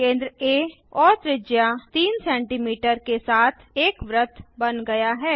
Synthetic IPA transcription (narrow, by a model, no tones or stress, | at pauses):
kẽːnd̪ɾəeː | ɔːɾt̪ɾɪd͡ʒjat̪iːnsɛ̃ːɳʈiːmiːʈəɾkesaːt̪ʰeːkʋɾət̪ʰbɐnɡɐjaɦɛː